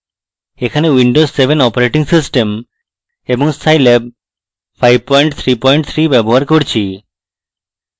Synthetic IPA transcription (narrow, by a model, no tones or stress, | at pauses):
ekʰanewiɳɖosːebʱenɔpoɾeʈiŋsisʈem | ebɔŋsajleb̚ | pʰajb̚pɔjɳʈt̪ʰɾipɔjɳʈ̚t̪ʰɾibɛboɦaɾkoɾt͡ɕʰi